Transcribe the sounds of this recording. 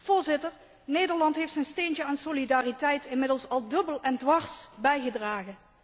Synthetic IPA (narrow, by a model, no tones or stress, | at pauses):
v̥ʊːɹzɪtəɹ | nejdəɹlɑntɦejftsənstejntəaːnsolidaːritɛjtɪnmɪdəlˠsɑlˠdɵbəlˠɛndʋɑɹsbɛjχədraːχən